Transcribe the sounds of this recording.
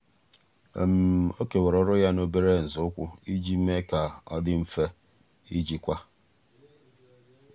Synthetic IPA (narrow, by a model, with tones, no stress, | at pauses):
ḛ˨m̩˨o˦ke˨wɔ˨ɾɔ˨ɾʊ˦ja˦no˦be˦ɾe˦˨n̩˨zʊ˦ʊ˦kʷʊ˦i˦d͡ʒi˦m̩˦me˦ka˨ɔ̰˦dɪ˦m̩˦fe˦ | i˦d͡ʒi˨kʷa˦